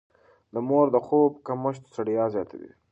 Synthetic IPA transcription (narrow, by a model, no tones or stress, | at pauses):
d̪əmoɾd̪əxob̚kaməʃ̬t̪saɽijɑzjɑt̪ʰa̰dḭ